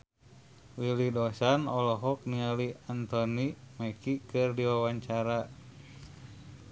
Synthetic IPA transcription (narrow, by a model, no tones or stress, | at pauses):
wilidɔsanɔlɔɦɔk̚nialiant̪ɔnimakikɨrdiwawaɲt͡ʃaɾa